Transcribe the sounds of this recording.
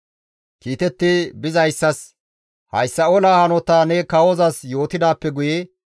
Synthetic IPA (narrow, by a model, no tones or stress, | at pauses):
kiːt̪ɛt̪ːɪbɪzɐjsːɐs | hɐjsːɐoːlaːhɐnɔt̪aːnɛkɐwɔzɐsjo̞ːt̪ɪd̪aːpːɛɡʊjɛ